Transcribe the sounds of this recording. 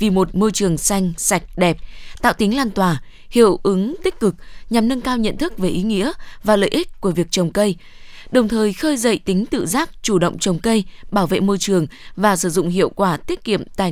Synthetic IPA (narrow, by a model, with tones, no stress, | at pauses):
vi˨˩mo˨˩t̚mo˧jt͡ɕɨ˨˩əŋsa˧jŋ̟sa˨˩jk̟̚ɗɛ˨˩p̚t̪a̰ː˧˨wt̪i˨˦ŋ̟laː˧nt̪waː˧˩ | hḭ˧˨əwʔɨ˨˦ŋt̪ï˦˥k̟̚kɨ˨˩k̚ɲa˨˩mnə˧ŋkaː˧wɲə̰˧˨nt̪ʰɨ˦˥k̚ve˨˩ʔi˨˦ŋḭ˧˥əvaː˨˩lə̰ː˧˨jʔi˦˥k̟̚ku˧˩əvi˨˩ək̚t͡ɕə˨˩wŋ͡mkə˧j | ɗə˨˩wŋ͡mt̪ʰəː˨˩jxəː˧jzə̰˧˨jt̪ï˨˦ŋ̟t̪ɨ̰˧˨zaː˦˥k̚t͡ɕu˧˩ɗə̰˧˨wŋ͡mt͡ɕə˨˩wŋ͡mkə˧jɓaː˧˩wvḛ˧˨mo˧jt͡ɕɨ˨˩əŋ | vaː˨˩sɨ˧˩zʊ̰˧˨ŋ͡mhḭ˧˨əwkwaː˧˩t̪i˦˥ət̚kḭ˧˨əmt̪aː˨˩